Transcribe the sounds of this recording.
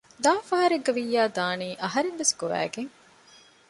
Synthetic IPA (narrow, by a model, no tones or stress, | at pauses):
d̪aːfɐɦɐɾeɡːɐʋijːaːd̪aːniːʔɐɦɐɾenʋesɡoʋæ̰ːɡeŋ